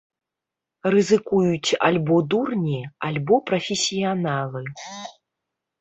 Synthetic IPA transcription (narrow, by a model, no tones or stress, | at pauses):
rɨzɨkujut͡sʲa̰lʲbɔd̪urnʲialʲbɔpɾɐfʲesʲijanalˠɨ